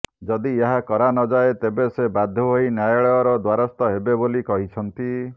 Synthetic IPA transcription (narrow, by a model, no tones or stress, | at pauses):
d͡ʒɔd̪ieɦakɔɾanɔd͡ʒaet̪ebesebad̪ʱːɔɦoinjajɔɭɔɔɾɔd̪waɾɔst̪ɔɦebebolikɔɦit͡ʃʰɔnt̪i